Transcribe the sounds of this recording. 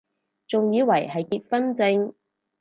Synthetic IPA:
t͡sʊ˨ŋjiː˨˧wɐ˨˩jɦɐ˨jkiː˧t̚fɐ˥nt͡sɪ˧ŋ

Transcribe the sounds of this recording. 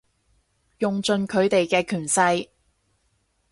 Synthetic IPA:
jʊ˨ŋt͡sɵ˨nkʰɵ˨˧ɥt̪e˨jkɛː˧kʰyː˨˩nsɐ˧j

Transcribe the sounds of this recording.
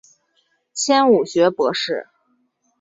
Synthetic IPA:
t͡ɕʰjɛ˥nu˨˩ɕɥɛ˧˥pwɤ˧˥ʂɻ̩˥˩

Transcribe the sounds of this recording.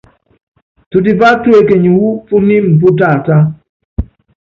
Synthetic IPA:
tu˨di˨pa˦twe˨ke˨ɲu˨wu˦fu˦ni˦m˨pu˦ta˦˨ta˦

